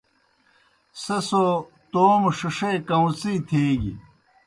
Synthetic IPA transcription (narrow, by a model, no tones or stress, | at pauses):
sɐso | t̪oːmʂiʂeːkɐwt͡siːt̪ʰeːɡḭ